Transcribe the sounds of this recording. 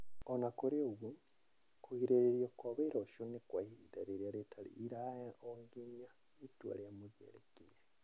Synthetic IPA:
onakoɾoβu | kuɣiɾeɾeɾijokwaβeɾoʃonekwaidaɾeɾialetʰalḭːɾaaoŋɡiɲa | itwa̰lejamuβjḛːɾekeɾe

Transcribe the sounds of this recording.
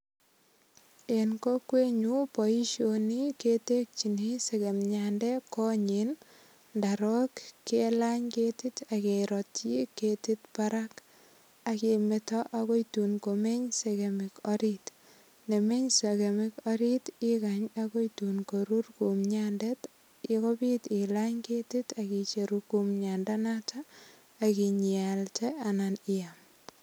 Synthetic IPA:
enkokweɲupɔiʃoniketek̚t͡ʃiniseɣemɲandɛkɔɲin | ndaɾɔkkːelaɲketitakeɾɔtiketitpaɾak | akemetɔʔaɣojtunkomeɲseɣemɪkɔɾit | nemeɲsekemɪkɔɾitɪkaɲakojtunkoɾurkumɲandet | ɪkobitɪlaɲketitakit͡ʃeɾukumɲandanatʰaː | kiɲialtɛananɪjam

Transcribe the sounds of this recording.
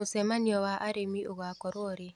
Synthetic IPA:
ʊsɛmaniɔwaʔaɾemiʔoɣakɔɾwɔɾe

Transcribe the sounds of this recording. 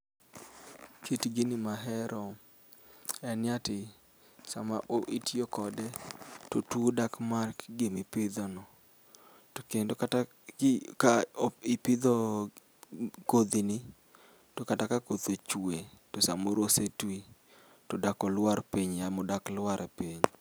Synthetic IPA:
kʰitɡinɪmaɦɛɾɔ | ɛnjatɪ | samaʔoʔitjokɔdɛtotwodakmarkɡɪmɪpɪd̪ɔnɔ | tokendokata | kaipɪd̪ɔ | kod̪inɪ | tokatakakod̪ot͡ʃuetosamoɾosetwi | todakɔlwaɾpiɲamɔdaklwaɾʔɛpiɲ

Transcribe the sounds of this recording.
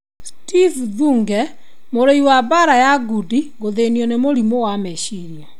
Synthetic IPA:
stifðuːŋɡɛ | moɾeiwabaɾajaɡudiɡoðeniɔnemoɾimowamɛʃiɾjɔ

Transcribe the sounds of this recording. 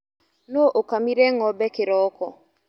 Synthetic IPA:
noʔokamiɾɛŋɔbɛkɪɾɔkɔ

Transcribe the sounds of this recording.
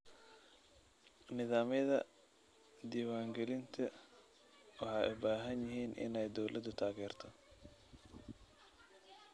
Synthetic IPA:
nɪðaːmɐðɐ | d̪iːwaːŋɡɛlɪnt̪ʰɐ | wɑħɑːjʊbaːɦɐnjɪɦiːnʔɪ̰nɛjd̪ɔwlʔɐd̪ʊt̪ʰaːɣɛːrt̪ʰɔ

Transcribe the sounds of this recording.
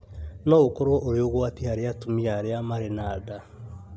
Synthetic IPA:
nɔokoɾwɔʔoɾeoɣwatihaɾeatumiaɾeamaɾenaːda

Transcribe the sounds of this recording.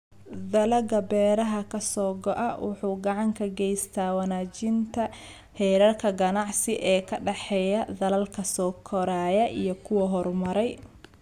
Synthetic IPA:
d̪ɐlɐɡɐbɛːɾɐɦɐkʰɐsɔːɡɔʔɐwʔʊ̰ħuːɡɑʕɑŋkʰɐɡɛjst̪ʰaːwɐnaːt͡ʃɪnt̪ʰɐ | hɛːɾɐrkʰɐɡɐnɑʕsɪʔɛːkʰɐɖɐħɛjɐd̪ɐlɐlkʰɐsɔːkʰɔɾaːjɐʔijɞkʰʊwɐɦɔɾmɐɾɛj

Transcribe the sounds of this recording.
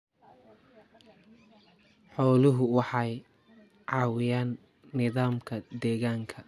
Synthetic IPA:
ħɔːlʊɦʊwɑħɑj | ʕɑːwɪjaːnː | ɪðaːmkʰɐd̪ɛːɣaːŋkʰɐ

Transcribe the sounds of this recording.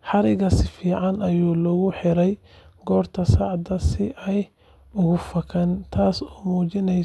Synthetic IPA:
ħɑɾɪɣɐsɪfiːʕɑnɐjuːlɔɣʊħɪɾɛj | ɡɔːrt̪ʰɐsɑʕd̪ɐsɪʔɛj | ʊɣʊfɐkʰɐnt̪ʰaːsɔːmuːt͡ʃɪnɛj

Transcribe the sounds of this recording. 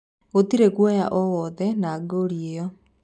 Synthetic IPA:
otiɾekwaja̰ʔɔwɔðɛnaɡoɾiejɔ

